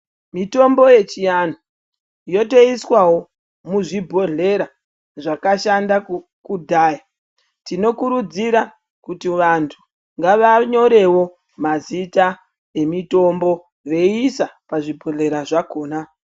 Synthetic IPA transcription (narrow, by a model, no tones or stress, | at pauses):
mito̞mbo̞je̞t͡ʃijan̤o | jo̞te̞iswawo̞ | muʐibʱo̞ɮe̞ɾa | ʐakaʃanda | kudʱaːja | tino̞kuɾud͡ziɾa | kutiʋantʰu | ŋɡaʋaɲo̞ɾe̞wo̞ | mazita | e̞mito̞mbo̞ | ʋe̞isapaʐibʱo̞ɮe̞ɾaʐakoːna